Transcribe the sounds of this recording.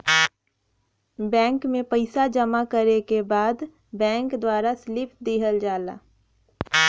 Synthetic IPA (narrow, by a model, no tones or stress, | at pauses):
bɛ̃ːŋkmẽpəɪsad͡ʒəmakəɾekebaːd̪ | bɛ̃ːŋkd̪waːɾaslɪpd̪iːɦəld͡ʒaːla̰ː